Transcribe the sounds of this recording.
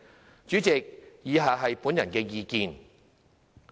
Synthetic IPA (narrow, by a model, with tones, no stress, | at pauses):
t͡ʃyː˨˥t͡sɪ˨k̚jiː˨˧ɦaː˨˧ɦɐ˨jpuː˨˥njɐ˨˩nkɛː˧jiː˧kiː˨˧n